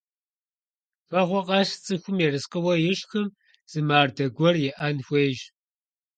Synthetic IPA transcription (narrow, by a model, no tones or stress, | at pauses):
fɐʁʷɔqʼɑʂt͡sʼɨxʷʊmjɛrɨsqəwɐjɪɕxɨm | z̥ɨmaːrdɐɡʷɔrjɛʔɐnxʷeːʒ